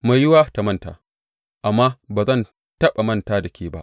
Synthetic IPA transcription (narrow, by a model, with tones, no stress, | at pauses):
ma˨jːɪ˦waː˦ta˨mɐ˦nta̰ː˨ | ʔa˨mːaː˦baː˨zɐ˦˨n | tɐ˦ɓa˨mɐ˦ntaː˦dɐ˨kʲeː˦ba̰˦ʔ